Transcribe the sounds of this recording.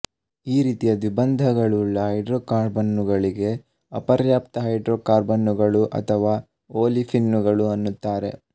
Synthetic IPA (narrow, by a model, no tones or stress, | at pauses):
iːɾiːt̪ijɐd̪ʋibɐnd̪ʱɐɡɐɭuɭːɐɦɐjɖɾoːkaːɾbɐnːuɡɐɭiɡe̞ | ɐpɐɾjaːp̚t̪ɐɦɐjɖɾoːkaːɾbɐnːuɡɐɭuʔɐ̰t̪ʰɐʋaː | oːlipʰinːuɡɐɭuɐnːut̪ːaːɾe̞̰